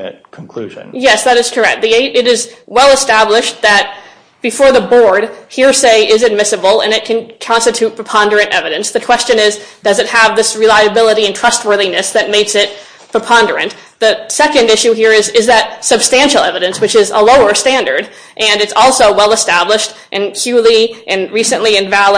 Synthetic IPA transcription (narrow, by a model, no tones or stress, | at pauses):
ɨkʰn̩kʰl̥ʉ̰ʒɨ̰̃njɛsðɨɾɨz̥kʰə˞ɛk̚t̪̚ðieɪɾɨɾɨzwɛlˠəstæblɪʃt̪̚ðɨt̚ | b̥ɨfɔɹðəbɔɹd̚hiɹseɪʔɪzɨd̚mɪsɨbl̩ˠɨ̰̃nɨt̚kʰɨ̃nkʰɑ̃nstɨtʰʉt̚pʰɹ̥əpʰɑ̃ndə˞ɨ̃ntɛ̰vɨɾɨ̃nsðɨkʰw̥ɛst͡ʃɨ̃nɪzd̥ʌzɨt̚həvðɪsɹilaɪɨbɪlˠəɾiɨ̃ntʰɹ̥ʌst̚wɜ˞ðinɨsðɨt̚meɪksɪt̚ | pʰɹ̥əpʰɑ̃ndə˞ɨ̰̃n | ðɨsɛkɨ̃ndɪʃʉɦiɹɪzɪzðɨt̚sɨb̥stæ̃nʃl̩ˠɛvɨɾɨ̃nswɨt͡ʃɪzə̰loʊə˞stæ̃ndə˞ɾ | ʔɨ̃nɨtsɔlˠsoʊwɛlˠəstæbləʃt | ʔɨ̃nkʰj̥ʉlˠiʔɨ̃nɹisɨ̃nʔliɨ̃nvælˠə